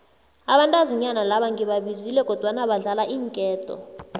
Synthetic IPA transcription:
aɓantʼaziɲanalaɓaŋɡʱiɓaɓizilɛkʼɔd̥ʱwanaɓaɮalaʔiːŋkʼɛːtʼɔ̰

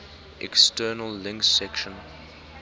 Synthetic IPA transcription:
ʔɛ̰kstɜːnəlːɪ̃ŋksɛkʃə̃n

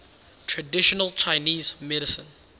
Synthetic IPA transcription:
tʰɹədɪʃɔnəlˠt͡ʃʰaɪniːzmɛɾɪsə̃n

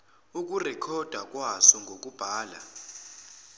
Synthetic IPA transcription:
uk̬ʼurɛkʰɔd̥ʱak̬ʼwasɔŋɡʱok̬ʼub̥ʱaːla̰

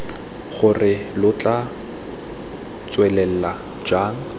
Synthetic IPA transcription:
χʊrɪlʊt͡ɬʼa | t͡swɛlɛl̩la | d͡ʒaːŋ̩

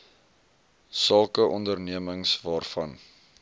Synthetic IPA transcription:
sɐlˠkəʔɔndərniəməŋsvɑːrfɐn

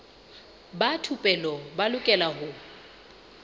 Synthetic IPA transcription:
batʰupʼɛlɔbalʊkʼɛlaɦʊ

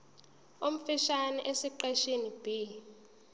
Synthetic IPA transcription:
um̩fiʃanɛʔesiǃɛʃinib̥i

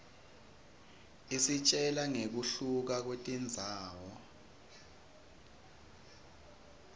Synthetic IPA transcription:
isit͡ʃʼɛlaŋek̬uɬuk̬ak̬wetʼind͡zʱaːwɔ

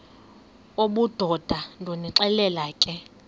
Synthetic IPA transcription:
oɓud̥ʱɔd̥ʱandʱoniǁɛlɛlaːkʼɛ

